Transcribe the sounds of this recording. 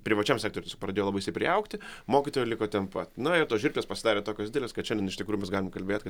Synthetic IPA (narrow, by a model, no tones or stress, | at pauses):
pʲɾʲɪʋɐt͡ʃʲɛmsʲæːkt̪oːɾʲʊmt̪ʲesokprɐd̪ʲeːjolˠɑbɐɪsɐɪpʲɾʲɪɛʊkt̪ʲɪmoːkʲit̪oːjɛlʲɪkoːt̪ʲɛnpɐt̪nʊɪɾt̪oːsʒʲɪrʲklʲespɐsʲɪd̪ɑːɾʲeːt̪oːkʲosd̪ʲɪd̪ʲelʲeːskɐt̪ʃʲɛndʲɛnɪʃt̪ʲɪkɾujumʲɛsɡɑːlʲɪmkɐlʲbʲeːt̪ʲkɐ